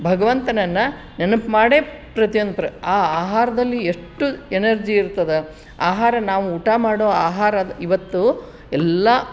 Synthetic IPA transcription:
bʱɐɡɐʋɐnt̪ɐnɐnːɐ | nenɐpmaːɽeːpɾɐt̪ijond̪ɐpɾɐaːaːɦaːɾɐd̪ɐlːieʂʈuenɐɾd͡ʒiːɾt̪ːɐd̪e | aːɦaːɾɐnaːʋuːʈamaːɽoːaːɦaːɾɐd̪iʋɐt̪ːu | ɛlːɐ

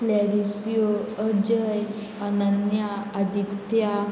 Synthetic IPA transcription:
laɾisjoəd͡ʒəj | ənənjaːd̪it̪ja

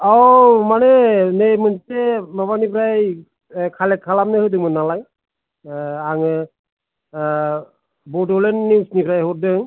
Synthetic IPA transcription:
ɔmanɛnejmɯntemabanipʰɾaj | kʰalɛkʰːalamnɯhɯdɯmɯnːalaj | aŋɯ | bɔdɔlenːiwsnipʰɾajɦɔɾ̚dɯŋ

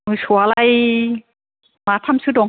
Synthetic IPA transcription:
mɯsualaj | mat̪ʰamsʰɯdɔŋ

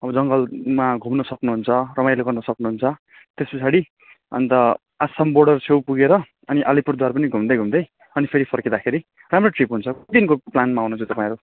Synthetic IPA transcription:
ʌbʌd͡zʌŋɡʌlmaɡʱumnʌsʌknuɦunt͡sʰʌrʌmajloɡʌrnʌsʌknuɦunt͡sʰʌ | t̪espʌsaɽi | ʌ̰nt̪ʌ | asʌmborɽʌrt͡sʰewpuɡeɾʌ | ʌniʔʌlipurd̪ʱwarpʌniɡʱumd̪ʌjɡʱumd̪ʌj | ʌnipʰeɾipʰʌrked̪akʰeɾi | ramroʈripɦunt͡sʰʌkd̪inkoplanmaawnʌt͡sʰot̪ʌpaĩʌɾu

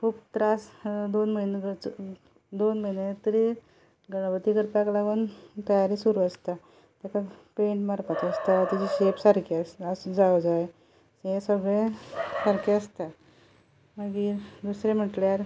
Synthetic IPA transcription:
kʰuːpt̪ɾasd̪onməjnɡ | d̪onməjnet̪əɾi | ɡəɭbət̪ikəɾpaklaɡuːnt̪əjaɾiːsuɾuəst̪a | t̪jakapeɳʈmaɾpat̪əst̪at̪it͡ɕiɕepsəɾkeasəd͡zaʋd͡zaj | sesəɡɭẽsəɾkeəst̪a | məɡiːd̪usɾem̤əʈljaɾ

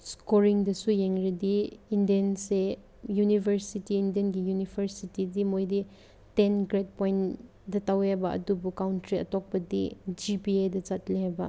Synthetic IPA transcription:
skɔɾiŋdɐsujeŋɾidiindijɐnse | junibʱɐɾsitiːndiɐnɡijunipʰɐɾsitidimojdi | tɛnɡɾet̚pɔjn | dɐtawhɛbɐʔɐ̰dubukawntɾiɐ̰tɔk̚bɐdid͡ʒipiajdɐt͡ʃatliɦɛbɐ̰

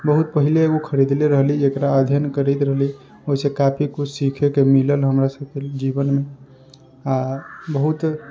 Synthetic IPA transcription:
bəɦut̪̚pəɦileokʰəɾid̪leɾəɦliekɾaəd̪ʱjənkəɾɛt̪ɾəɦli | oɦisẽkapʰikut͡ʃʰsikʰekemiləlɦəmɾasəbked͡ʒibənme | abəɦut̪

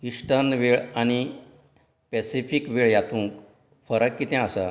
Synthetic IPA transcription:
ʋiʂʈənʋeɭaɽ̃i | pɛsifikʋeɭjat̪ũŋk | fəɾəkːit̪ɛ̃əsə

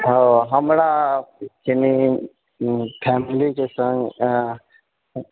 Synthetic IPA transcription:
ɦoɦəmɾakini | pʰɛːmlikesə̃ŋɡ

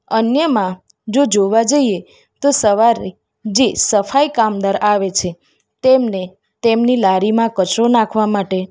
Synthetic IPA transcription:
ənjəmã | d͡ʒod͡ʒoʋad͡ʒəie | t̪osəʋaɾe | d͡ʒesəfaikamd̪aɾaʋet͡ʃʰe | t̪emne | t̪emnilaɾimãkət͡ʃɾonakʰʋamaʈe

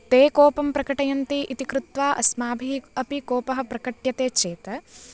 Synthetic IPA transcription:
t̪eːkoːpɐmpɾɐkɐʈɐjɐnt̪iʔit̪ikɾut̪ʋaːʔɐ̰smaːbʱiɐpikoːpɐɦɐpɾɐkɐʈjɐt̪eːt͡ʃeːt̪ɐ

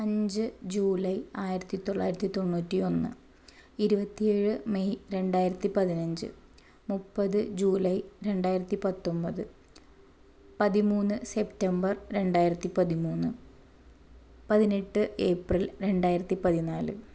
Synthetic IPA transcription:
ɐɲd͡ʑɨd͡ʑuːlɐjaːjiɾɐt̪ːit̪o̞ɭːaːjiɾɐt̪ːit̪o̞ɳːuːtːio̞nːɨ̰ | iɾubɐt̪ːije̞ːɻɨmejɾe̞ɳɖaːjiɾɐt̪ːipɐðinɐɲd͡ʑɨ̰ | mupːɐðɨd͡ʑuːlɐjɾe̞ɳɖaːjiɾɐt̪ːipɐt̪ːo̞mbɐðɨ | pɐðimuːnːɨse̞ptːembɐrɾe̞ɳɖaːjiɾɐt̪ːipɐðimuːnːɨ | pɐðineʈːɨe̞ːprilɾe̞ɳɖaːjiɾɐt̪ːipɐðinaːlɨ̰

